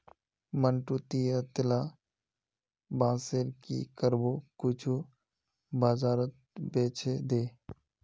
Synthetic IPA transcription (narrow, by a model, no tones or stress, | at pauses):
mənʈut̪ijət̪ɪlaː | bãːseːɾkḭkəɾbokʊt͡ʃʰu | baːzaːɾət̪̚ | beːt͡ʃʰed̪eː